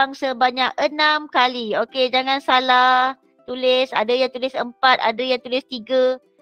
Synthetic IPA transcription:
ŋsəbaɲak̚ʔənamkalioked͡ʒaŋansalah | t̪ulɪsa̰dajaŋt̪ulɪsəmpat̪̚a̰dəjaŋt̪ulɪst̪iɡə

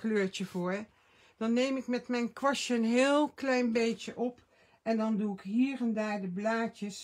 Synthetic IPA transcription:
kløːɹt͡ʃəv̥oːɹ | d̥ɑnːejmɪkmɛtmɛjnkʋɑʃəənɦɪːlˠklɛjnbejtəʔɔp | ɛndɑnduɪkɦiːrɛndaːɹdəblaːcəs

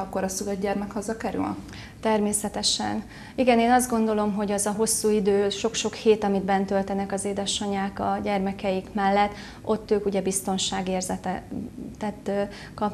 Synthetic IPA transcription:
ɒkːoɾɒsuɡɛd̪ɟɛrmɛkhɒzɒkɛɾy̰l | t̪ɛrmeːsɛt̪ɛʃɛ̰n | iɡɛneːnɒzd̪ɡo̞nd̪o̞lo̞mɦo̞ɟɛzɒɦo̞sːuːid̪øːʃo̞kʃo̞kheːt̪ɒmid̪̚bɛnt̪ø̞lt̪ɛnɛkɒzeːd̪ɛʃɒɲaːkɒɟɛrmɛkɛjikmɛlːɛt̪ː | o̞t̪ːøːkuɟɛbist̪o̞nʃaːɡeːrzɛt̪t̪ɛt̪ː | kɒ

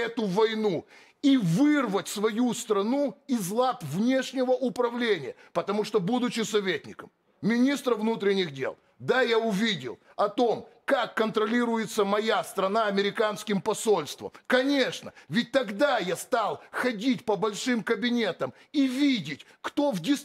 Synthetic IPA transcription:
ɛt̪ʊvɐjnu | ivɨrvətʲsvɐjust̪ɾɐnuɪzlˠat̪vnʲe̞ʂnʲɪvəʔʊpɾɐvlʲenʲɪjəpət̪ɐmuʂt̪obud̪ʊt͡ɕɪsɐvʲetʲnʲɪ̰kəm | mʲɪnʲist̪ɾəvnut̪ɾʲɪnʲːɪɣdʲḛlˠ | d̪ajaʊvʲidʲɪ̰lˠɐt̪o̞mkakːənt̪ɾɐlʲiɾʊjɪt̪səmɐjast̪ɾɐnaɐmʲɪɾʲɪkanskʲɪmpɐsolʲst̪və̰mkɐnʲe̞ʂnə̰vʲɪt̚ʲt̪ɐɡd̪ajast̪alˠxɐdʲitʲpəbɐlʲʂɨmkəbʲɪnʲe̞t̪əm | ivʲidʲɪtʲ | kt̪o̞vdʲɪs

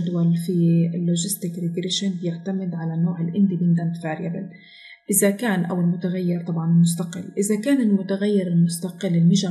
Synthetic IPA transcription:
d̪walfiɪlːoʒɪst̪ɪkɾɪɡɾeːʃanbɪjɪʕt̪amɪd̪ʕalanːoːʕɪlʔɪnd̪ibɪnd̪and̪fiʕɾjabɪ̰l | ʔɪzakaːnʔa̰wɪlmʊt̪aɣajːɪɾt̪ˤɑbʕɑnɪlmʊs̬t̪aqɪ̰lːʔɪzakaːnɪlmʊt̪aɣajːɪɾɪlmʊst̪aqɪlːɪlmʊʒa

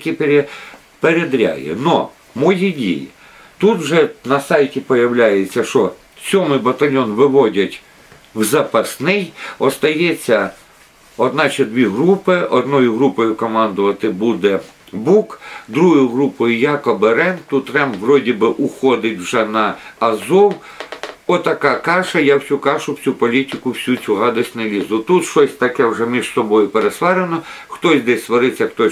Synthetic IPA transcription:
kʲipeɾʲe | peɾed̪ɾʲa̰jɛ̰nɔ | mɔjidʲḭjḭ | t̪ut̪wʒɛnɐsɑjtʲipɔjɐwlʲajet͡sʲːɐʃɔ | sʲɔmɪbɐt̪ɐlʲjɔnʋɪʋɔdʲɐtʲ | wzɐpɐsnɪjɔst̪ɐjɛt͡sʲːɐ | ɔd̪nɑt͡ʃɛd̪ʲʋʲiɦɾupɪɔd̪nɔjʊɦɾupɔjʊkɔmɑnd̪ʊʋɐt̪ɪbud̪ɛbukd̪ɾuɦɔjʊɦɾupɔjʊjakɔbeɾɛnt̪ʊt̪ɾɛmʋrɔdʲibɪʔʊxɔd̪ɪtʲwʒɛnɐːzɔw | ɔt̪ɐkɑkɑʃɐjawsʲukɑʃʊwt͡sʲupɔlʲitʲɪkʊwsʲut͡sʲuɦɑd̪ɐsʲtʲnɐlʲizʊt̪ut̪ʃt͡ʃɔsʲt̪ɐkɛwʐɛmʲiʒsɔbɔjʊpeɾesʋɛɾenɔxt̪ɔsʲd̪ɛsʲsʋɔɾɪt͡sʲːɐxt̪ɔ

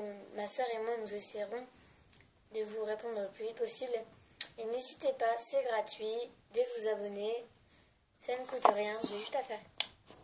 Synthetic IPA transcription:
masœʁemwanuzeseʁɔ̃ | d̪əvuʁepɔ̃d̪ʁəəplyvit̪̚pɔsiblenezit̪epasɛɡʁat̪ɥid̪əvuzabɔne | sanəkut̪ʁjɛ̃zɛʒyt̪afɛ

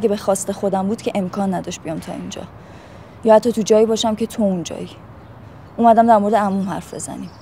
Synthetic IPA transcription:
æɟebexɒːst̪e̞xo̞d̪æmbuːd̪̥cʰeʔemkʰɒːnːæd̪ɒʃt̪b̥ijɒmt̪ʰɒ̰ind͡ʒɒ̰ | jɒhæt̪ʰːɒːt̪ʰud͡ʒɒːiːbɒːʃæmcʰe̞t̪ʰound͡ʒɒ̰ːji | ʔumæd̪æmd̪æɾmo̞ɾed̪eæmumhæ̰ɾfbe̞̰zæ̰niːm

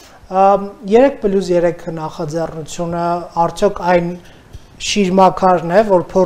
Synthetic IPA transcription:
jɛɾɛk̚ʰpəljus̬jɛɾɛkʰənɑχɑd͡zɛrnut͡sʰjunəɑɾt͡sʰjɔkʰɑjn | ʃiɾmɑkʰɑɾnɛvɔɾpʰɔ

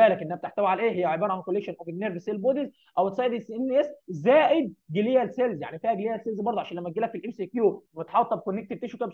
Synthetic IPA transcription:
æːlækʔenːæhæb̚t̪eħt̪æwiʕalʔeːɦejːæʕebɑːɾɑʕankolːekʃonʔæbennːeɾveselbod̪iz | ʔæwt̪sˤɑːed̪esenːʔeszæːʔed̪̚ɡelejælselzja̰ʕnifiːhæɡelejælselzbɑɾˤd̪oʕaʃænlæmːæt̪̚ɡelækfilʔemsikjuːmet̪ħɑt̪ˤːɑb̚konːekt̪et̪eʃukæbs

